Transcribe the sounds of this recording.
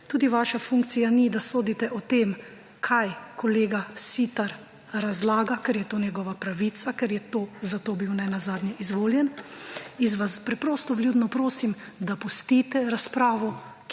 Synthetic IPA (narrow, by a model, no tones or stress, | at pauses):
t̪uːd̪iʋaːʃafuŋk̚t̪sijanid̪asoːd̪it̪ɛʔɔt̪em | kʰajkɔleːɡasit̪aɾ | ɾazlaːɡakɛɾjɛt̪oːnjɛɡɔʋapɾaʋit̪sakɛɾjɛt̪oːzat̪oːbiwnɛnazaːd̪nʲjɛʔizʋoːljɛn | izʋaspɾɛpɾɔːst̪ɔbljuːd̪nɔpɾoːsimd̪apɔst̪iːt̪ɛɾaspɾaːʋɔ